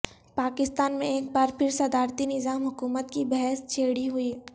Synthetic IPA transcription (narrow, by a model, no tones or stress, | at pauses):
paːkɪst̪aːnmẽeːk̚baːɾpʰɪɾsɐd̪aːɾt̪inɪzaːmɦʊkuːmət̪kibɛɦɛst͡ʃʰeːɽiɦʊi